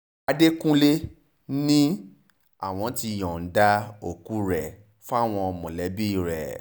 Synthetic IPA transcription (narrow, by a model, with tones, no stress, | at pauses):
a˧de˦kũ˦le˦ | nĩ˦ | a̰˦˨w̃ɔ̃˧˦ti˧˨jɔ̃˨n̩˨˦da˦o˦˨ku˦ɾɛ˨ | fa˦˨w̃ɔ̃˧ɔ˨mɔ̃˨lɛ˨˦bi˦i˦˨ɾɛ̰˨